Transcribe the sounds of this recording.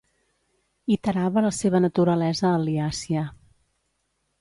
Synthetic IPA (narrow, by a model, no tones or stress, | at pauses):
it̪əɾaβələseβ̞ənət̪uɾəlɛzəːliasiə